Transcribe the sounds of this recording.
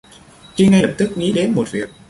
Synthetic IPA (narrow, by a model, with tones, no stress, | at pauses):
t͡ɕi˧ŋa˧ə˨˩p̚t̪ɨ˦˥k̚ŋḭ˨˥ɗe˨˦nmo˨˩t̚vi˨˩ək̚